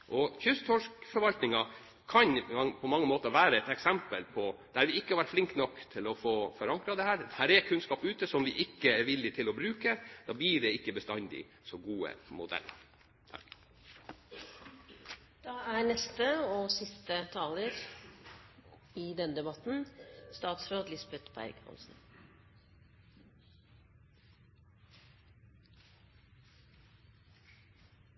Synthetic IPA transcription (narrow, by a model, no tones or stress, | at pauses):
ʔɔçʏst̪ʰɔʂkfɔɾʋɑlt̪nɪŋɑ | kʰɑɲpʰɔmɑŋːəmoːt̪əɾʋæːɾəɛt̪ɛksɛmpəlpʰɔd̪̥æɾʋɪɪkːəhɑɾʋæʈflɪŋkt̪nɔkːt̪ʰɪlɔfoːfɔɾɑŋkɾɑd̪ɛhæːɾd̪ɛhæːɾɛkʰʉnskɑːpʉːt̪əsɔmʋɪʔɪkːəɛɾʋɪlːɪt̪ʰɪlɔbɾʉːkəd̪̥ɑːblɪːɖɛɪkːəbəst̪ɑnd̪ɪ̰ | sɔɡuːə̰mʊ̰d̪ɛ̰lːə̰ɾ | t̪ʰɑk | d̪̥ɑːæːnɛst̪əoːsɪst̪ət̪ʰɑːləɾ | iːd̪ɛnd̪ɛbɑt̪n̩st̪ɑːt̪sɾoːd̪lɪsbɛt̪pʰːæ̰ɾɪ̰khɑ̰nsn̩